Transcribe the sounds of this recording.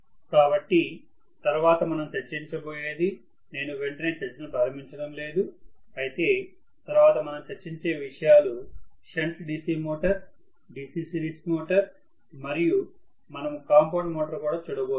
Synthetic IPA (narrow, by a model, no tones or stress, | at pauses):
kaːbɐʈːi | t̪ɐɾuʋaːt̪ɐmɐnɐmut͡ʃɐɾt͡ʃːiɲt͡ʃɐboːje̞ːd̪i | ne̞ːnuʋe̞ɳʈɐneːt͡ʃɐɾt͡ʃːɐnɐpɾaːɾɐmiɲt͡ʃɐɽɐmle̞ːd̪uɐjit̪e̞ː | t̪ɐɾuʋaːt̪ɐmɐnɐmut͡ʃɐɾt͡ʃːiɲt͡ʃe̞ːʋiʂɐjaːluʃɐɳʈɖiːsiːmoːʈɐɾ | ɖisiːsiɾismoːʈɐɾ | mɐɾiju | mɐnɐmukaːmpoːʈmoːʈɐɾkuːɽaːt͡ʃuːɽɐboː